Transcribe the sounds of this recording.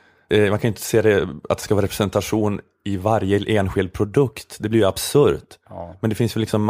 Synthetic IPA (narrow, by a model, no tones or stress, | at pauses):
mankʰanjɪnt̪ʰə̥seːd̪ɛa̰t̪̚ɛskavɑːɾɛpɾɛsɛnt̪aɧuːn | ɪvaɾjəʔeːnɧɪld̪̚pʰɾʊd̪ɵkt̪d̪ɛblɪɾjəabsɵɾt̪mɛnd̪ɛfɪnsvɛllːɪksɔmː